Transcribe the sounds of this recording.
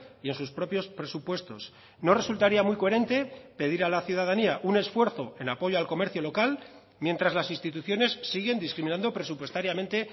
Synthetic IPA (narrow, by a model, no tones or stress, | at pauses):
ie̞nsuspɾo̞pjo̞spɾe̞supwe̞st̪o̞̰s | no̞re̞sult̪aɾiamwijko̞e̞ɾe̞nt̪e̞pe̞ðiɾalaθjuðaðaniaʔune̞sfwe̞ɾθo̞e̞napo̞ʝo̞alko̞me̞ɾθjo̞lo̞kal | mje̞nt̪ɾazlasinst̪it̪uθjo̞ne̞sːiɣ̞e̞nd̪iskɾimĩnãnd̪o̞pɾe̞supwe̞st̪aɾjamẽ̞nt̪e̞